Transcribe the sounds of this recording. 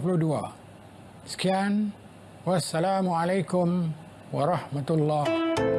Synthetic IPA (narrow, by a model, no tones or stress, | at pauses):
flud̪uwa̰ː | skjaːn | wasːalaːmʕalajkʊm | wɑɾˤɑħmat̪lˤːɑːh